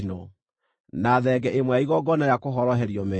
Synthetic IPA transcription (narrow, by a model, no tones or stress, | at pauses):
nɔ | naðɛɡɛʔemwɛaiɣɔɡɔnaɾjakoɦɔɾɔɦɛɾiɔmɛ